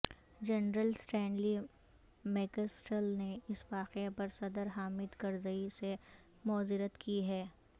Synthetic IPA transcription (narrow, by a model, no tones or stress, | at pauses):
d͡ʒɐnɾəlsʈɛ̃ːɳɖli | mɛːkəsʈəlneɪsʋaːqepɐɾsɐd̪əɾɦaːmɪd̪kɐɾzəise | mɔːzɪɾət̪kiɦɛː